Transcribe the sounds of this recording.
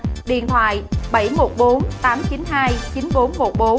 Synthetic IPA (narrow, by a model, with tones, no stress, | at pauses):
ɗḭ˧˨ənt̪ʰwa̰ː˧˨jɓə˧˩jmo˨˩t̚ɓo˨˦nt̪aː˨˦mt͡ɕi˨˦nɦaː˧jt͡ɕi˨˦nɓo˨˦nmo˨˩t̚ɓo˨˦